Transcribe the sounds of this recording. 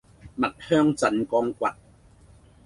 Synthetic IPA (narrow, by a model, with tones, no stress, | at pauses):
ma˨˩t̚hœː˥˩˨ŋt͡sa˨˥nkɔː˧ŋkwa˨˩t̚